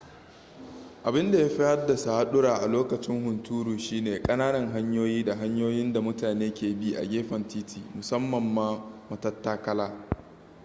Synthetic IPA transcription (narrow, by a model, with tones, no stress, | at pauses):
ʔa˨bɪ˦nda˨ja˦ɸɪ˦hɐ˦rda˨sa˨ha˦ɗʊ˦ɽaː˨ʔa˨loː˦kɐ˨t͡ʃɪ˦ŋhʊ˨ntuː˦ɾuː˨ʃiː˦neː˨kʼɐ˦naː˦nɐ˨ŋɦa˦ɲjoː˦jiː˦da˨ɦa˦ɲjoː˦jɪ˦nda˨mʊ˦taː˨neː˦kʲeː˨bi˦ʔa̰˨ɡʲeː˦ɸɐ˨ntiː˦tʰiː˨mʊ˨sɐ˦mːɐ˨mːaː˦mɐ˨tɐ˦tːaː˦kɐ˦laː˦